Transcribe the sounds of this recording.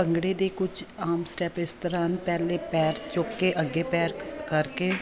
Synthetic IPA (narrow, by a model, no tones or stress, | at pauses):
əŋɡɽeːd̪eːkʊt͡ʃʰaːmsʈɛːpɪst̪əɾaːnpɛːleːpɛːɾt͡ʃoːkːeʔəɡːeːpɛːɾkəɾkeː